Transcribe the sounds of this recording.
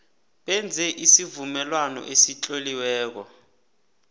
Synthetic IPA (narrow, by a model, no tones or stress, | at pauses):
ɓɛnd͡zʱɛʔisivumɛlwanɔ̰ʔesit͡ɬʼoliwɛːk̬ɔ